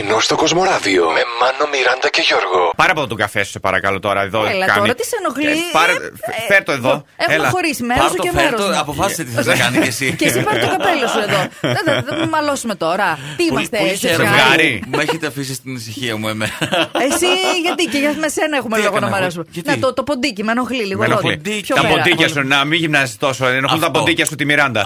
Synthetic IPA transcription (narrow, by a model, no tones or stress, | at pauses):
inost̪okozmo̞ɾɐvio̰memɐnomiɾɐnd̪ɐceʝoɾɣopɐɾiɐpoot̪oɡɐfesu̥sepɐɾɐkɐlo̞t̪o̞ɾɐeðoelɐɐ̰t̪oɾɐt̪isenoxlipɐfeɾt̪oeðoexelɐxo̞ɾismesoemeɾɾoɐpofɐsiset̪iθɐzɐkɐniesicesipɐɾɾt̪okɐpelɐsue̞ðoeðɐmmɐlo̞sume̞t̪o̞ɾɐ | t̪iimɐst̪eeɣɐɾieçet̪eɐfis̬ist̪inisiçiɐmuemenɐesiʝɐt̪iceʝɐmesenɐexumelo̞ɣonɐmɐɾesumenet̪ot̪opond̪icimenoɣliliɣoloipçot̪ɐmpod̪iɐsunɐmiʝimnɐzist̪o̞soenount̪ɐpod̪icɐsut̪imiɾɐnd̪ɐ̰